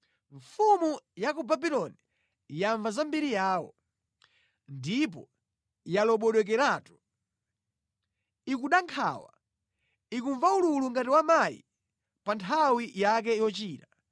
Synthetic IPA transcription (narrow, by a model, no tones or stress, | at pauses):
ɱfumujakubabilɔni | jaɱvazambiɾijaːwɔ̰ | ndip̬ɔ | jalɔɓɔɗɔk̬ɛɾaːtu̥ | ikuɗaŋkʰa̰wa | ikuɱvaululuŋɡatiwamajḭ | pantʰawijak̬ɛijɔt͡ʃiːta